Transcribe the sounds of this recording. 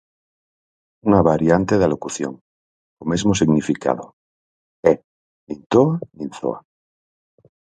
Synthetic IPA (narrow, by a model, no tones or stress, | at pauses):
unaβaɾjant̪eðalokuθjo̰ŋ | omezmosiɣnifika̰ðo | e | nint̪oaninθo̰a̰